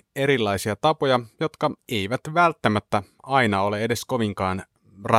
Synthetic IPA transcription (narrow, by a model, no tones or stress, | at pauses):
e̞ɾilːɑisiɑt̪ɑpojɑjot̪kɑe̞iʋæt̪ʋælt̪ːæmæt̪ːæ | ɑjnɑo̞le̞ede̞sko̞ʋiŋkɑːn | rɑ